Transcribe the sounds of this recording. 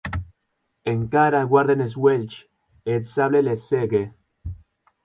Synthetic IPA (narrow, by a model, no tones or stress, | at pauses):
eŋkaɾaɣwaɾðenes̬welt͡ʃ | et̪saβleleseɣe